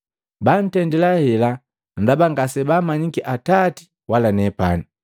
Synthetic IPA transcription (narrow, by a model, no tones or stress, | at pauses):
ban̩tɛndɛlahɛla | ndabaŋɡasɛbamaɲikɛʔatati̥ | walanɛpa̰ni